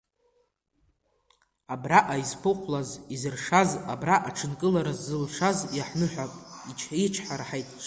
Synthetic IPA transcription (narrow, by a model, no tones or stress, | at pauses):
abraʔajzpʰɨqʷʰlazizɨrʂazabraʔaʈ͡ʂʰɨnkʼɨlaɾazːɨlʂazjaħnɨħʷᶣapʼit͡ʃʰaiʈ͡ʂʰħaɾħajtʼ